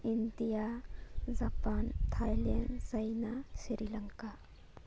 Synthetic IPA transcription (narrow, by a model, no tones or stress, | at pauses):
ind̪ijazaːpaːnt̪ʰaːjlijə̰nsɐjnaʃiɾilɐŋka